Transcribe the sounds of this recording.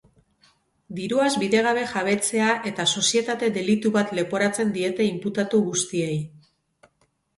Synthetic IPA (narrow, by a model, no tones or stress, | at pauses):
d̪iɾuazbiðe̞ɣ̞aβ̞e̞xaβ̞e̞t͡se̞aʔe̞t̪aso̞sie̞t̪at̪e̞d̪e̞lit̪uβat̪le̞po̞ɾat͡se̞nd̪ie̞t̪e̞imput̪at̪uɣust̪ie̞j